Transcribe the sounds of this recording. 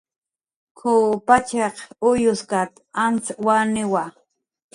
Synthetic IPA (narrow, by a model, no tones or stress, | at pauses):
kʰʊpat͡ʃeqʊjʊskat̪ | ant͡swanɪwa